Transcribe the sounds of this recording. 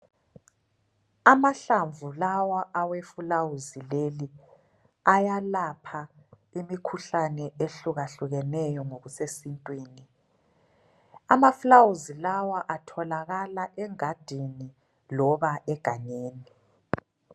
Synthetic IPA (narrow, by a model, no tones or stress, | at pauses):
amaɬaɱvulawaʔawefulawuzileli | ajalapʰa | imikʰuɬanɛʔeɬuɣaɬuɣɛnɛjɔŋoɣusesintʼwiːni | amafulawuzilawaʔatʰɔlaɣalaʔɛŋad̥ʱini | lɔβaʔɛɡ̥ʱaɲeːni